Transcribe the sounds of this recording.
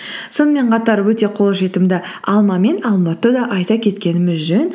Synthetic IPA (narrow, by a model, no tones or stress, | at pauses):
so̞nəme̞ɴqʰɑt̪ɑɾwɵt̪e̞qʰo̞lˠʒe̞t̪ɪmd̪ɪ | ɑlˠmɑme̞nɑlˠmɑt̪əd̪ɑʔɑjt̪ɑkʲʰe̞t̪kʲe̞nɪmɪzʒɵn